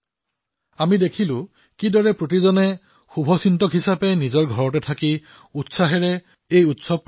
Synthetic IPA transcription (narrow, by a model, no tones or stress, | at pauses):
amidekʰilʊ̃ | kidɔɹɛpɹot̬izɔnɛ | xubʱɔsintɔkɦisapɛnizɔɹɡʱɔɹɔtɛtʰaki | utsaɦɛɹɛ | ejutsɔb̚